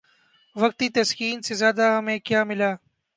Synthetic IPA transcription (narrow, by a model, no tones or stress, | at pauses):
ʋɐk̚t̪iːt̪ɐskiːnsezjaːd̪aɦɐmẽːkjaːmɪlaː